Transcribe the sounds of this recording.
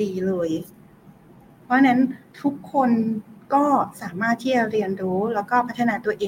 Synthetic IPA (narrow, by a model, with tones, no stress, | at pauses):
iː˧lɤː˧j | pʰɾɔ˦˥na˦˥nt̪ʰu˦˥kʰːo˧nkɔː˥˩saː˩˦maː˥˩t̪ʰːiː˥˩t͡ɕa˧ɾi˧ənɾuː˦˥lɛː˦˥wkɔː˥˩pʰa˦˥t̪ʰːa˧naː˧t̪u˧ɐʔeː˧